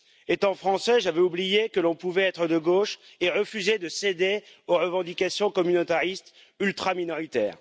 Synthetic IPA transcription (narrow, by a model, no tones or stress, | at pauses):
et̪ɑ̃fχɑ̃sɛʒavɛublijekəlɔ̃puvɛɛt̪χəd̪əɡoʃ | eʁəfyzed̪əsed̪e | oʁəvɑ̃d̪ikʲasjɔ̃kɔmynot̪aʁist̪ | ylt̪χaminɔʁit̪ɛ̰ːʁ